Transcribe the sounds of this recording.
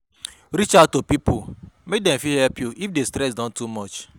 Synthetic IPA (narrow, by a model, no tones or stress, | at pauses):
ɾit͡ʃaʊtopipumek̚dɛ̃mfihɛlpjuifdestɾɛs̬dɔ̃ntumɔt͡ʃ